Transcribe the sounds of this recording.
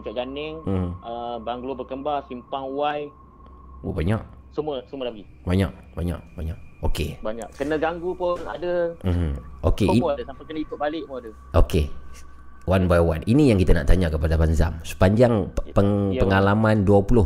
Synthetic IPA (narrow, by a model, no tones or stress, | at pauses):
ut͡ʃaʔd͡ʒanɪŋmm̩əbaŋɡlubərkəmbasimpaŋwaj | obaɲa̰ʔ | səməsumədaɡi | baɲa̰ʔ̚ | baɲa̰ʔbaɲaʔ̚okebaɲaʔkənəɡaŋɡupʊna̰dəm̩m̩ʔokeiadəsampajkənəikʊʔ̚balɪʔmoadə | ʔoke | wʔanbajwa̰ninijaŋkit̪ana̰ʔt̪aɲakəpadapanza̰msə̥paɲd͡ʒaŋpəŋpəŋalamãnduapulʊh